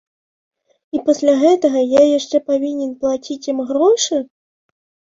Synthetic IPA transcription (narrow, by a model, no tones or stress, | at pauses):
ipɐsʲlʲaɣɛt̪ɐɣɐjajaʂt͡ʂɛpavʲinʲɛnplˠat͡sʲit͡sʲjimɣɾɔʂɨ